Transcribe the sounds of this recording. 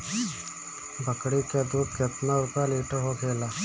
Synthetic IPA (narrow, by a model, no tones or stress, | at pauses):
bʱəkɽiked̪uːd̪̚kɪt̪naɾʊkaliːʈəɦokʰeːlaː